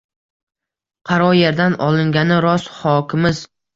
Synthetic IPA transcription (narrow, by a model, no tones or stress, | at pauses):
qʰɑɾɒjeɾd̪anʔɒlˠɪŋɡʲanɪɾɒshɒkʲɪmɪz